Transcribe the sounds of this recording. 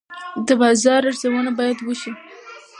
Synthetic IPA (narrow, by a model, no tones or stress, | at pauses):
d̪əbɑzɑɾaɾzawənabɑjad̪wəʃi